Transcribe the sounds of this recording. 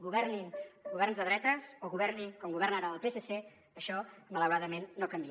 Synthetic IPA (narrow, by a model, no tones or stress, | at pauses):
ɡuβɛrninɡuβɛrnzðəðɾɛt̪əsoɣuβɛrninkɔmɡuβɛrnaɾaəlˠpesese | əʃɔmələwɾaðəmenːokəmbi